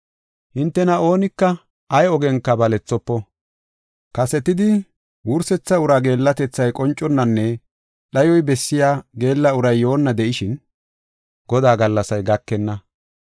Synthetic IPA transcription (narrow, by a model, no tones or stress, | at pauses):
hɪnt̪ːɛnɐo̞ːnɪkːɐ | ɐjɔɡɛŋkːɐbɐlɛt͡sːɔpːɔ | kɐsɛt̪ɪd̪ɪ | wʊɾsɛt͡sːɐʊɾaɡe̞ːlːɐt̪ɛt͡sːɐjkʼɔnt͡ʃʼːɔnːɐnːɛ | ɗɐjɔjbɛsːɪjaːɡe̞ːlːɐʊɾɐjːo̞ːnːɐd̪ɛʔɪʃɪn | ɡ̥ɔd̪aːɡɐlːɐsɐjɡɐkːɛnːɐ